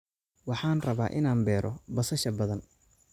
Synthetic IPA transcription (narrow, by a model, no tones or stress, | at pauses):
wɑħɑːnrɐβaːʔɪnaːmbɛːɾɔ̰bɐsɐʃɐbɐðɐn